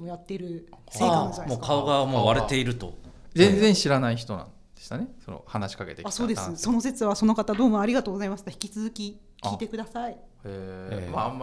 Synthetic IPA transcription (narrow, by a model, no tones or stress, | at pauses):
mojat̪ːe̞ɾɯ̟seːkãnamokʰaoɡamoβaɾet̪e̞iɾɯ̟t̪o̞̰d͡zzẽ̞nd͡zẽ̞ɰ̃ɕiɾanaiçi̥t̪o̞nã̰n | d̥̪eɕt̪ane̞sono̰hanaɕi̥kake̞t̪ekaso̞ːd̪esɨso̞no̞se̞t͡sɨβaso̞no̞kat̪ad̪o̞ːmõ̞aɾʲiɡat̪oːɡo̞zaimasɨ̥t̪açi̥kʲi̥t͡sɨzɨkʲi | kʲʰiːt̪e̞kɯ̟d̪asaiemamːa